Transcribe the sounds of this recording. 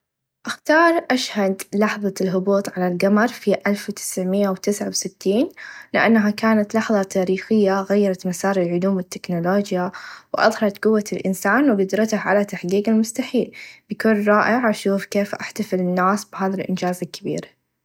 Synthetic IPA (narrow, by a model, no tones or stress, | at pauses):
ʔaxt̪ɑːɾˤʔaʃhad̪lɑħðˤɑlɦʊbuːt̪ˤʕalalɡamɑɾˤfiʔalfwt̪ɪ̥sʕmɪjːawt̪ɪsʕawsɪt̪ːiːnlɪʔanːaɦakaːnat̪lɑħðˤɑt̪ʰaːɾiːxɪjːaɣajːɑɾˤɑt̪masɑːɾˤɪlʕʊluːmwɪt̪ːɪknʊloːd͡ʒjawʔɑ̰ðˤhɑɾˤɑt̪qʊwːalʔɪ̰nsaːnwɡʊd̪ɾˤɑt̪ahʕa̰lat̪aħɡiːɡɪlmʊst̪aħiːlbɪkʊːnɾˤɑːʔɪʕʔaʃuːfkeːfʔaħt̪afɪlɪnːaːsbɦaːðalʔɪ̰nd͡ʒaːzɪlkːabḭːɾa